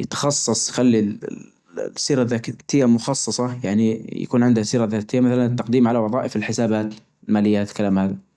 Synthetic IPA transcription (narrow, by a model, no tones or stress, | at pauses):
jɪt̪ɑ̥xɑsˤːɑsˤjxalːḭ | siːɾaðːaːkt̪ɪjːamʊxɑsˤːɑsˤɑjaʕnija̰kuːnʕɪnd̪hasiːɾaðaːt̪ɪjːamaθalanɪt̪ːɑqd̪iːmʕalawɑðˤɑːʔɪfɪlħɪsaːbaːt̪ | lmaːlɪjːat̪kalaːmhaːða